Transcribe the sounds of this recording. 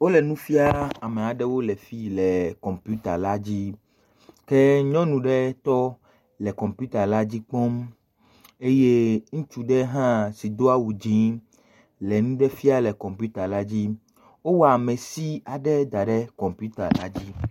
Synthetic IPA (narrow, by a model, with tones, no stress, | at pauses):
wo˦lɛ˨nũ˦fi˦a˦a˨mɛ˨a˨ɖɛ˦wo˦lɛ˨fi˦lɛ˨kɔ˨mpju˦t̪a˨la˦d͡ʑi˦ | kɛ˦ɲɔ̃˦nũ˨ɖɛ˦t̪ɔ˦ | lɛ˨kɔ̃˨mpu˦t̪a˨la˦d͡ʑi˦k͡pɔ˦m | e˦je˦ŋũ˦t͡ʃu˦ɖɛ˦ɦã˦si˨d̪o˦a˦wu˨d͡ʑĩ˦ | lɛ˨nũ˦ɖɛ˦fi˦a˦lɛ˨kɔ̃˨mpu˦t̪a˨la˦d͡ʑi˦ | wo˦wa˨mɛ̃˨si˦a˨ɖɛ˦d̪a˨ɖɛ˦kɔ˨mpu˦t̪a̰˨la̰˦d͡ʑi˦